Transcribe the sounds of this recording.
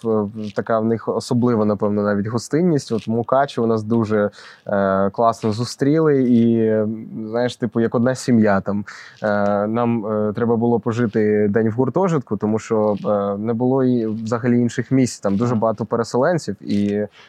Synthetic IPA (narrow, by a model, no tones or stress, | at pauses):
t̪ɐkɑwnɪxɔsɔblˠɪʋɔnɐpɛwnɔnɑʋʲitʲɦɔst̪ɪnʲːisʲtʲɔt̪mʊkɑt͡ʃɪʊnɑsd̪uʒɛ | klˠɑsnɔzʊst̪ɾʲilˠɪi | znajɪʃt̪ɪpʊjɐkɔd̪nɑsʲimjat̪ɑm | nɑmt̪ɾɛbɐbʊlˠɔpɔʒɪt̪ɪd̪ɛnʲwɣʊrt̪ɔʒɪt̪kʊt̪ɔmuʃt͡ʃɔnɛbʊlˠɔʋzɐɦɐlʲiinʃɪxmʲisʲt͡sʲt̪ɑmd̪uʒɛbɐɦɑt̪ɔpeɾesɛlˠɛnʲt͡sʲiwi